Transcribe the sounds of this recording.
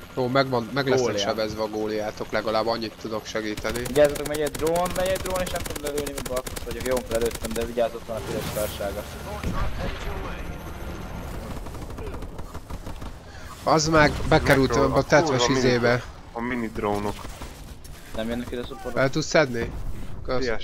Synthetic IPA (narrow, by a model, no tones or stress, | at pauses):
joːmɛɡʋɒnmɛɡlɛsɛʃɛbɛzʋɛɒɡoːlijaːt̪o̞klɛɡɒlaːbːɒɲːit̪ːud̪o̞kʃɛɡiːt̪ɛniviɟaːzot̪okmɛɡɛd̪roːnmɛɟɛd̪roːneːʃnɛmt̪oɡ̪mlɛløːlnimɔbɒlkost̪ʋɒɟokjoːŋkolɛløːt̪ːɛmd̪ɛviɟaːzot̪lɒnɒkid̪ɛʃkɔrʃaːɡɒ | ɒzmaːrbɛkɛɾylt̪ɛmɛbɛɒt̪ɛt̪ʋɛʃizeːbɛ | ɒminid̪ɾownok | nɛmjɛnːɛkid̪ɛsopoɾfɛlt̪ut̪sɛd̪nikø